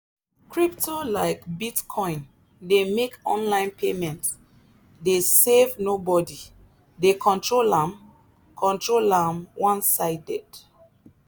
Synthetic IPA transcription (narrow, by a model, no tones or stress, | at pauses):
kɹiptʰolaɪkbitkʰɔ̃ɪ̃n | demekɔ̰̃nlãɪ̃npʰemɛ̃nt | desevnobɔdi | dekʰɔ̃ntɹolãm | kʰɔ̃ntɹolãmwãnsaɪdɛd